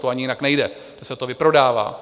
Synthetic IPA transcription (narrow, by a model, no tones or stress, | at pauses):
t̪oaɲɪjɪnaknɛjdɛ | d̥ɛsɛt̪ovɪpɾo̞daːva̰ː